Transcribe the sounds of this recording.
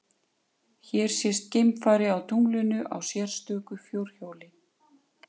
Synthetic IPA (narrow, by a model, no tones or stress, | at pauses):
çɛːɾ̥sjɛst̪̚cejmfaːjɾɪawt̪ʰuŋlʏnʏʔa̰wsjɛɾ̥st̪œːkʏfjowɾ̥çoːwlɪ